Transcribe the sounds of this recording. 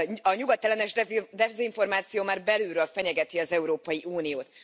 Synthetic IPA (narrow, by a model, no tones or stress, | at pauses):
ɒɲuɡɒt̪ːɛlɛnɛʃɛd̪ɛziɱfo̞rmaːt̪sijoːmaːrbɛlyːlɾøːlfɛɲɛɡɛt̪iɒzɛuɾoːpɒjiʔuːnijoːt̪